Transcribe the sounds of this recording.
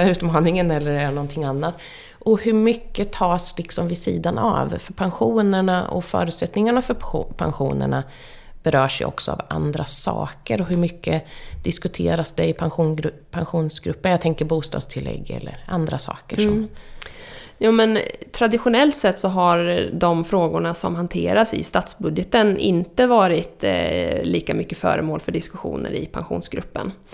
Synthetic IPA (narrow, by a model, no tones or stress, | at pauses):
ʉ̟ːt̪mɑːnɪŋənɛlːəɾɛɛnɔnt̪ʰɪŋanːat̪ | ʔɔhɵɾmʏkːət̪ʰɑːslɪksɔmvɪsḭːd̪anʔa̰vfœɾpʰanɧuːnəɳaʔɔ̰fœ̰ːɾʉt̪sɛt̪nɪŋaɳafœɾpʰa̰nɧṵːnə̰ɳa | b̥ɛɾœːʂɛjɔ̰ksɔa̰va̰nd̪ɾasɑ̰ːkəɾɔɦɵmʏkːəd̪̥ɪskɵt̪ʰeːɾasd̪ɛɪpʰanɧpʰanɧuːnsɡɾɵpːənjat̪ɛŋkəɾbuːst̪ɑ̰ːd̪st̪ʰɪlːɛ̰ɡːɛ̰lːəɾʔand̪ɾasɑ̰ːkəʂɔm | jɑːmɛnt̪ʰɾad̪ɪɧʊnɛlt̪sɛt̪ːsɔɦaɾd̪ɔmfɾoːɡʊɳasɔ̰mɦant̪ʰeːɾasɪ̰st̪at̪sbɵd̪jət̪ənʔɪ̰nt̪əvɑːɾɪt̪liːkamʏkːəfœ̰ːɾəmoːlfœɖɪskɵɧṵːnə̰ɾɪpʰanɧṵːnsɡɾɵpːə̰n